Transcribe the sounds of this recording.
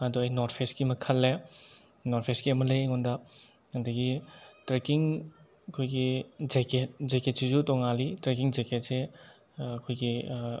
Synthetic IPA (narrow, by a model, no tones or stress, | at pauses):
adɔajnɔɾpʰeskimɐkʰɐlːe | nɔɾpʰeskiɐmɐlɐjŋɔnda | ɐndɐɡitɾekiŋ | ɐkʰojɡid͡ʒeket̚zeket̚sizutɔŋalitɾekiŋzeketse | ɐkʰojɡi